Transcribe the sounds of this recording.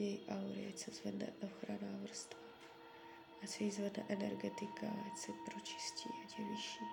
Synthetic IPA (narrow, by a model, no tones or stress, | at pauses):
jɛjiʔauɾɪ̰ɛ̰t͡sɛzvɛdnɛ̰ʔoxɾanavr̩st̪va | at͡sɛjizvɛdnɛʔɛnɛ̰ɾɡɛt̪ɪkat͡sɛpɾot͡ʃɪ̥scḭːʔacɛvɪʃiː